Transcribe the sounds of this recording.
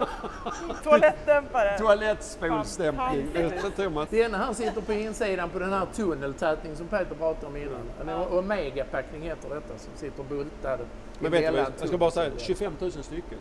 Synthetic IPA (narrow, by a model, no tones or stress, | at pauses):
tʰʊalɛt̪d̪ɛmpad̪əʊalɛt̪ːspuːlsd̪ɛmpnɪŋɛɛt̪ʰɾumad̪ɛnːaɦæːɾsɪt̪ːəɾpɔɪnsiːd̪anpɔd̪ɛnhæːɾt̪ʰɵnːəlt̪ʰɛːt̪nɪŋəns̬ɔmpeːt̪əɾpʰɾɑːt̪aɾɔmɪnːa̰nɛ̰nɔmeːɡapʰaknɪŋheːt̪ːəɖɛt̪ːasɔmsɪt̪ːəɾbɵlt̪ad̪ə | mɛnveːɛlːanʰkabɑːɾasɛaɕɵfɛmːt̪ʰʉ̟ːsənst̪ʏkːə